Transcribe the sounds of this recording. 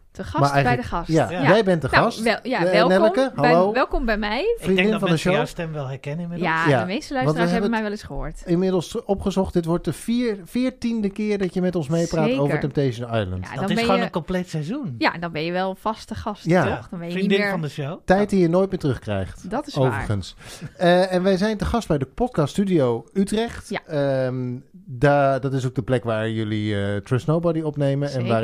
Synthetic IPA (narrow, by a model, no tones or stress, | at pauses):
dəɑmaɛjbɛdəɑsjajɛjbɛntdəχɑstjaɛlˠnɛləkəɦlowʋɛlˠkɔmbɛjmɛjfrinddɪnfɑnndəʃostɛmʋɛlˠɦɛɹkɛnɪnmɪjajadəmejstəlœʋɑntəaəɦɛɛbəəmɛjʋɛlˠɪsχəɦʊ̰ːɹtɪmɪdəl̩ˠsɔpχəzɔχt̚dɪtʋɔɹt̚əfifɪːɹtindəkɪːɹdɑtjəmɛtɔnsmejpraːowvəɹtɛmptejʃəna̰jlə̰ntddnɪɛχnoːənəkɔmplejtsɛjzunjandɑnbɛnjəʋɛlˠfɑstəχɑsjaχdnbɛjdɪŋvɑndəʃowtɛjt̚dijənoːjt̚mɪːɹtərɵχkrɛ̰jχtdtɪowvəɹχənsəɛnʋɛjzɛjntəχɑst̚bɛjdəpɔt̚kɑststydiowytrɛχtə | dadɑtɪs̬ok̚dəplɛkʋaːɹjɵliətrɪsnowbɔdiɔpnejmənɛnʋaː